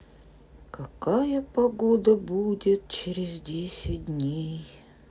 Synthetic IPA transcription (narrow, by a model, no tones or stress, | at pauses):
kɐkajəpɐɡod̪əbudʲɪt̪̚t͡ɕɪɾʲɪzdʲesʲɪt̚ʲdʲnʲej